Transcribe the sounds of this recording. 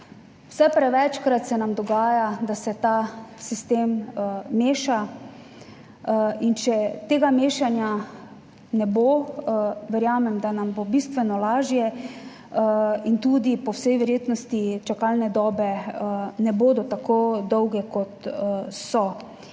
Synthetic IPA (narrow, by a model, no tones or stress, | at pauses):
wsɛpɾɛʋɛt͡ʃkɾat̪sɛnamd̪ɔɡaːjad̪asɛt̪aːsist̪eːmː | eːʃa | int͡ʃɛt̪eːɡameːʃanja | nɛbo | ʋɛɾjaːmɛmd̪anambobist̪ʋɛnɔlaːʒjɛ | int̪uːd̪ipɔwsɛjʋɛɾjeːt̪nɔst̪it͡ʃakalnɛd̪ɔːbɛ | nɛboːd̪ɔt̪akod̪ɔwɡɛkɔt̪sɔ